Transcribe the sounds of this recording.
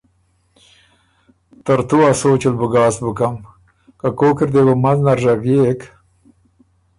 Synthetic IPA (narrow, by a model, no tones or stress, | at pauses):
t̪aɾt̪uasoːt͡ʃilbuɡaːsbukam | kakoːkiɾd̪ebəmaznaɾʒavjek